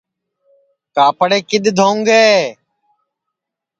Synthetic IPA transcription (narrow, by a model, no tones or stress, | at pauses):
kaːpəɽeːkɪd̪d̪ʱoːŋɡeː